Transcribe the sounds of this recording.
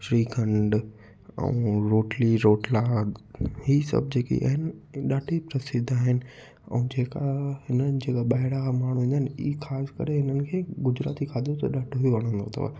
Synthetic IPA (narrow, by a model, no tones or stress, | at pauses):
ʃɾiːkʰə̃ɳɖ | ɛ̰̃ũɾoːʈliɾoːʈlaːɡhiːsɐ̰b̚d͡ʑeːkḭʔa̰ːɦɪnɪɗaːʈʰipɾɐsɪd̪ʱaːɦɪnɪ̆ | ɛ̰̃ːd͡ʑeːkahɪnənd͡ʑeːkaɓaːɪɽakʰãmaːɽ̤ũĩːd̪aɦɪnḭːxaːskɐ̰ɾeɦɪnənɪ̆kʰeːɡʊd͡ʑɾa̰ːt̪ikʰaːd̪ʱot̪ɐ̰ɗaːʈʰɦujoʋɐɽ̤̃ə̃n̆d̪ot̪ʰɐ̰ʋa̰ː